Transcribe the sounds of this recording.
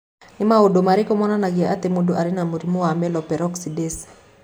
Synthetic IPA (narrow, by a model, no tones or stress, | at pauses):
nimaodomaɾikɔmɔnanaɡɛatemuduʔaɾinamuɾimuwamɛlɔpɛɾɔksides